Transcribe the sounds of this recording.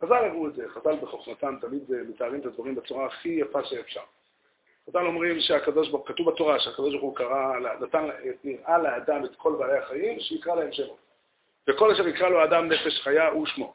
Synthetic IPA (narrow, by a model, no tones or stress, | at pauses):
χazalaʁuetzeχazalbeχo̞χmat̪amt̪almid̪emetaːʁimet̪ad̪vaʁimbet͡suʁaːχijafaʃeːfʃaʁ | χazalo̞mʁimʃeakad̪o̞ʃ̬baʁχukat̪uvatoʁaʃeakad̪o̞ʃ̬baʁχukaʁalanat̪aneniʁʔaleːd̪amet̪kʰo̞lbaːlehaχajimʃeikʁalaemʃeχot | veko̞laʃeʁjikʁaloaːdamne̞fe̞ʃχajaʔuʃmo